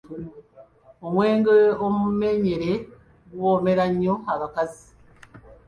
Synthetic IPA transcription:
omweːŋɡeomumeɲeɾe | ɡwoːmeɾaɲoaβakazi̥

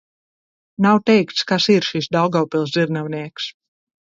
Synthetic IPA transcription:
nawt̪ɛjkt̪skasiɾʃisd̪awɡawpilˠz̬d̪iɾnawniɛks

